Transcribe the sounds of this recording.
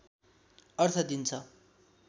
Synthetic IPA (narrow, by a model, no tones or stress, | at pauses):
ʌrt̪ʰʌd̪int͡sʰʌ